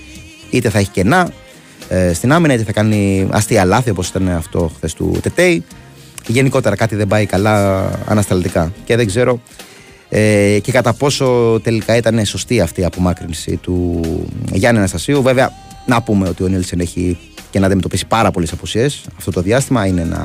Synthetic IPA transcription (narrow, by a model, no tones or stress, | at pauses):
it̪e̞θɐe̞çi̥ce̞nɐ | est̪inɐminɐit̪eθɐkɐniɐ̰st̪iɐlɐθio̞po̞si̥t̪ɐneɐft̪o̞xθe̞st̪ṵt̪e̞t̪ei | ʝe̞niko̞t̪e̞ɾɐkɐt̪iðembɐikɐlɐɐ̰nɐst̪ɐlt̪ikɐce̞ðe̞ɡze̞ɾo̞ | ece̞kɐt̪ɐpo̞so̞t̪e̞likɐit̪ɐne̞so̞st̪iɐft̪iːɐpo̞mɐkɾinsḭt̪u | ʝɐnɐnɐst̪ɐsiuveveɐ | nɐpume̞o̞t̪io̞nilseneçi | cenɐd̪imet̪opisi̥pɐɾɐpo̞lesɐposie̞sɐft̪ot̪o̞ðiɐst̪imɐineenɐ̰